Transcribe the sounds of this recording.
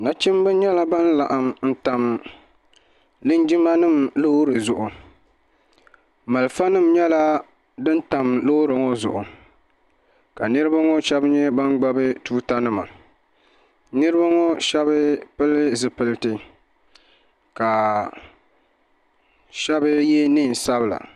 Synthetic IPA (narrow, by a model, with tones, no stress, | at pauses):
na˨t͡ʃi˦m˦bɨ˦ɲɛ˦la˦ba˦n˦la˨ʔa˨mn̩˦ta˨m | lɨ˦n˦d͡ʒi˦ma˦nɨ˦˨mlo˦ɾɨ˨zʊ˨ʔʊ˨ | ma˨lfa˦nɨ˦˨mɲɛ˦la˦ | dɨ˦n˦ta˨mlo˦ɾɨ˨ŋɔ˦zʊ˨ʔʊ˨ | ka˨nɨ˦ɾɨ˦ba˦ŋɔ˦ʃɛ˦bɲɛ˦ba˦nɡ͡ba˦bɨ˦tuː˦ta˦nɨ˦ma̰˨ | nɨ˦ɾɨ˦ba˦ŋɔ˦ʃɛ˦βɨ˦pɨ˦lɨ˦zɨ˨pɨ˨ltɨ˦ | ka˨ | ʃɛ˦bɨ˦jɛ˦nɨ˦˨n˨sa˦bɨ˨la̰˨